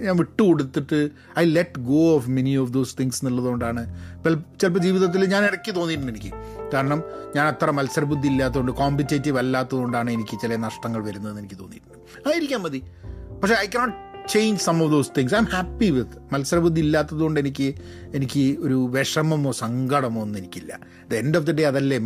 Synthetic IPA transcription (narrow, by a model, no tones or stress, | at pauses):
ɲaːnʋiʈːɨkoɽut̪ːiʈːɨ | ɐjleʈɡoːfme̞niɔfd̪oːst̪ʰiŋsnilːɐðuo̞ɳɖaːɳɨelt͡ɕelp̬ɐd͡ʑiːʋiðɐt̪̬ːilɲaːniɽɐkʲːɨt̪o̞ːnːiɾunːe̞nikʲːɨ̰ | kaːɾɐɳɐmɲaːnɐt̪ːrɐmɐlsɐɾɐbud̪ʱːiilːaːt̪̬ːɐɣoɳɖɨkoːmpitːeːtːiʋɐlːaːt̪ːɐðoɳɖaːɳɨe̞nikʲːɨt͡ɕilɐnɐʂʈɐŋːɐɭʋɐɾunːɐðenːenikʲːɨt̪oːnːḭɾunːu | aːjiɾikʲːaːmɐði | pɐʈʂeɐjkɐnoːʈt͡ɕejɲd͡ʑsɐmɔfd̪oːst̪ʰĩŋɡsɐjmhæpːiʋiðmɐlsɐɾɐbud̪ʱːiilːaːt̪ːɐðuɣo̞ɳɖenik̬ʲːɨ | e̞nikʲːɨoɾuʋeʂɐmɐmo̞ːsɐŋɡʱɐɽɐmonːuenikʲːilːɐ̰ | ɐðendoːfd̪ɐɖejɐðɐlːem